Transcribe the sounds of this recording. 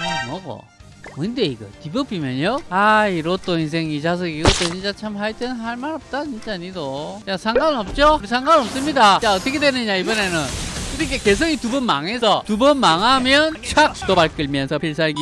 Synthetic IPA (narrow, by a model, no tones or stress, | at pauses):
mʌɡo̰ | mʌnde̞iɡʌ̰tibʌbimjʌɲjoaiɾot͈oins̬ʰe̞ŋit͡ɕas̬ʰʌɡiɡʌt͈ʰot͡ɕint͡ɕ͈at͡ɕʰamhaɭt͈ennɦaɭmaɾʌp̚t͈at͡ɕint͡ɕ͈aaɲidojasʰaŋɡanɯnʌp̚t͡ɕ͈oɾisʰaŋɡannʌps͈ɯmɲidaaʌt͈ʌkʰe̞dwenɯɲaibʌne̞nɯnɯɾikʰeke̞s̬ʰʌŋitubʌnma̰ŋɦe̞sʰʌtubʌnmaŋɦamjʌnt͡ɕʰak̚t͈obaɭk͈ɯɭmjʌnsʰʌpʰiɭs̬aɡi